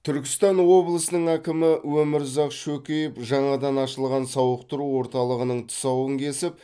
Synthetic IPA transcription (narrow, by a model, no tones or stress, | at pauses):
t̪ʰʏɾkʲɪst̪ɑnwo̞blˠəsənəɴækʲɪmɪwɵmɪɾzɑqʃɵkʲejɪpʒɑɴɑd̪ɑnɑʃəlˠʁɑnsɑwəqt̪əɾuwo̞ɾt̪ɑlˠəʁənəɴt̪ʰʊ̥sɑwəŋkʲʰe̞sɪp̚